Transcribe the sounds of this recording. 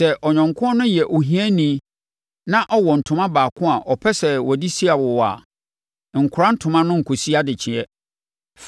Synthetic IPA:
sɛ˨ʔɔ˨ɲᶣɔ̃˨ŋkʰʊ̃˦ɔ˦nʊ̃˦jɛ˨ʔo˨ɦĩ˨˦æ˦nĩ˨˦ | nã˦ʔɔ˦wɔ˨n̩˨tʰʊ̃˦mã˦baː˨kʰʊ̃˦a˨ʔɔ˨pʰɛ˦sɛ˨wɔ˨di˦si˦a˨wɔ˨wa̰˨ | ŋ̩˨kʰʊ˨ɾã˦n̩˦tʰʊ̃˨mã˦nʊ̃˦ŋ̩˨kʰo˨si˦a˦dɪ˨t͡ɕʰɪ̃˨ɛ˦ | f

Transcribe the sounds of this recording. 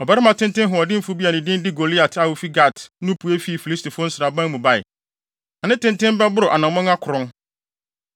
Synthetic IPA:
ɔ˨bɛ˦ɾɪ˦mã˨tʰɪ̃˦ntɪ̃˦nɦʊ̃˨ɔ˨dɪ˦m̩˦fʊ˦bi˦a˨nɪ̃˨dɪ̃˦n˦dɪ˦ɡo˨li˦a˨tʰa˨wʊ˨fi˦ɡa˦˨tnʊ̃˦pʰu˨˦e˦fi˦˨fi˨li˦sti˨fʊ˦n̩˦sɪ˨ɾa˨bã˦nmũ˨ba˦˨ɪ̰˨ | na˨nɪ̃˦tɪ̃˦ntɪ̃˦m˦bɛ˦bʊ˦ɾʊ˨ʔa˨nã˨mɔ̃˦ŋ˦a˦kʰʊ˨ɾʊ̃˦n

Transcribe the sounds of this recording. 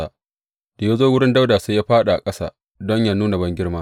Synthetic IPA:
a˦ | d̥a˨ja˦zoː˦wʊ˦ɽɪ˦nda˦wdaː˨se˦jaː˦ɸaː˦ɗa˨ʔa˨kʼɐ˦sa̰ː˦ | dɔ˦ɲja˦nuː˦na˨bɐ˦ŋɡʲɪ˦ɽmaː˦

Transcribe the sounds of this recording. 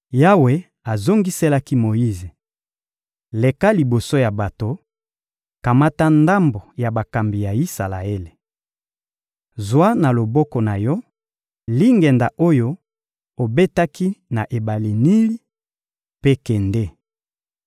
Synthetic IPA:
ja˦we˨ | a˨zo˦ŋɡi˦se˦la˦ki˦mo˨ji˦ze˨ | le˨ka˦li˨bo˨so˦ja˨ba˨to˨ | ka˨ma˦ta˦nda˦mbo˨ja˨ba˨ka˨mbi˨ja˨i˦sa˨la̰˨e˦le˨ | zwa˦na˨lo˨bɔ˦kɔ˨na˨jɔ˦ | li˦ŋɡɛ˨nda˨ʔo˦jo˦ | o˨be˦ta˦ki˦na˨ʔe˨ba˨li˨ni˦li˦ | pe˦kɛ˨nde˦

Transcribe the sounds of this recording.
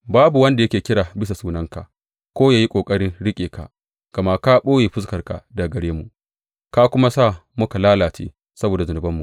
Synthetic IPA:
baː˦bu˨wɐ˦nda˨jɐ˦kʲeː˨kʲɪ˦ɽaː˨bɪ˦s̬a˨suː˦nɐ˦ŋka̰˨ʔ | kʷoː˦jaː˨ji˦kʷʼoː˨kʼɐ˦ɽɪ˦nɽɪ˦kʲʼeː˨ka̰˨ʔ | kɐ˨ma˦ka˦ɓoː˦jeː˨ɸʊ˦skɐ˨rka̰˨da˨ɡɐ˨ɽeː˦mu˨ | ka˦kʷʊ˦ma˦sa˦˨mʊ˦ka˨laː˦laː˨t͡ʃḛː˦ | sɐ˦boː˨da˨zʊ˨nʊ˨bɐ˦mːu˨

